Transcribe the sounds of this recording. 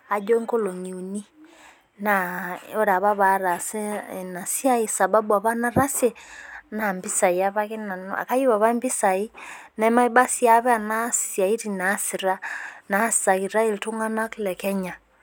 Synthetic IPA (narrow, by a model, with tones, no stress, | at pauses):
a˨d͡ʒɔ˦ŋko˦lo˨ŋi˨u˨ni˦ | na˨ɔ˦ɾa˨βa˦βa˨ɾa˨se˦˨na˨si˦a˦i˦sa˨ba˦bu˨a˨βa˦na˦ɾa˦se˦na˨mbi˦sa˨i˨a˦βa˦ke˦na˨n̰a̰˨ka˦ji˦βa˨βa˦mbi˦sa˨i˦ | na˨˦ma˦i˦ba˦si˦a˨βɛ˦a˨na˦sja˨i˦ɾi˨na˨˦si˨ɾa˦na˨˦ssa˨ki˨ɾa˦e˦lto˦ŋa˦na˦ki˦lɛ˨kɛ˦ɲa˨